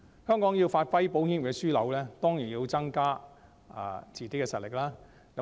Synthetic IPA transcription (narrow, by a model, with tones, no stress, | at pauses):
hœː˥ŋkɔː˨˥ŋji˧wfaː˧t̚fɐ˥jpo˨˥whiː˥nwkɛ˧syː˥lɐ˨˥wlɛː˥t̪ɔː˥ŋjiː˨˩nji˧wt͡sɐ˥ŋkaː˥ | a̰ː˨˩t͡siː˨˩ke˨˥kːɛ˧sɐ˨t̚lɪ˨˩k̚laː˥ | k